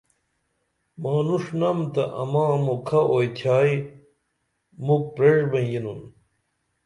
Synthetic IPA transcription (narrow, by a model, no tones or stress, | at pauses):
maːnuʂnɐmt̪ɐʔɐ̰mãːmokʰɐʔojt̪ʰjaːj | muk̚pɾeʐbɐjinun